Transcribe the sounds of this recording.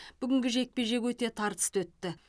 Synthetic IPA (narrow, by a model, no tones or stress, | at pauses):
b̥ʏɡʲɪŋɡʲɪʒe̞k̚pe̞ʒe̞kwɵt̪e̞t̪ʰɑɾt̪ə̥st̪wɵt̪ːɪ